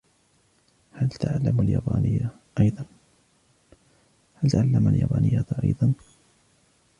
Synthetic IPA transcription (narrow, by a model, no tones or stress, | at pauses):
halt̪aʕalːamaljaːbaːnɪjːa | ʔɑjðˤɑn | halt̪aʕalːamaljaːbaːnɪjːat̪ʔɑjðˤɑn